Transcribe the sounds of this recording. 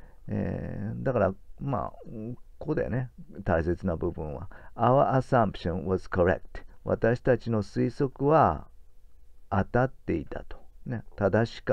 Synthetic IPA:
ḛd̪akaɾama̰ | kod̪ḛne̞t̪aise̞t͡sɨnabɯ̟bɯ̟̃ɰ̃βa̰aβaʔasãmpɯ̟̥ɕõñwazkoɾḛk̚t̪βa̰t̪aɕi̥t̪at͡ɕino̞sɨiso̞kɯ̟βa | t̪at̪ːe̞it̪a̰t̪o̥ne̞t̪ad̪aɕi̥k

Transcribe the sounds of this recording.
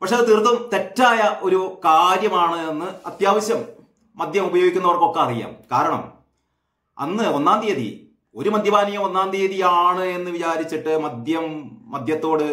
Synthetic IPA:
pɐkʂeɐðɨt̪irt̪ːɐmt̪e̞tːaːjɐʔo̞ɾukaːɾjɐmaːɳɨenːɨɐt̪jaːʋɐɕjɐmː | ɐd̪ʱjɐmubɐjo̞ːɡikʲːunːɐʋɐrkːokːeɐrija̰ːmkaːɾɐɳɐ̰m | ɐ̰nːɨonːaːnd̪ijɐðḭ | o̞ɾumɐd̪ʱjɐbaːnijɐmonːaːnd̪ijɐðijaːɳɨe̞nːɨʋit͡ɕaːɾit͡ɕːiʈːɨmɐd̪jɐmːɐd̪ʱjɐt̪ːo̞ːɽɨ

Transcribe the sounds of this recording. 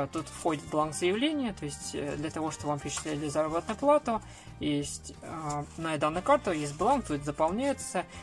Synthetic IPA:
t̪ut̪fxodʲɪt̪v̚blˠanɡzəjɪvlʲenʲɪjət̪o̞ɪsʲtʲd̪lʲɐt̪ɐvo̞ʂt̪obvampʲɪt͡ɕɪ̥t̪lʲælʲɪzaɾəbət̪nʊjʊplˠat̪ʊ | jesʲtʲnɐd̪anəkart̪ʊjes̬ʲt̚ʲblˠank̚t̪ot̪ʲzəpalˠnʲæjɪt̪sə

